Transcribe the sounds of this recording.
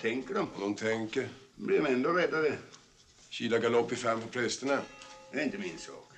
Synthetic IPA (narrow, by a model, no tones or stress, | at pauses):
t̪ʰɛŋkəɖɔmnɔmt̪ʰɛŋkəɾbliɾmɛnd̪oɾɛd̪ːadə | ɕiːlaɡalɔpːɪfɛmːpʰɔpʰɾɛst̪ənad̪æɾɪnt̪əmɪnsɑ̰ːk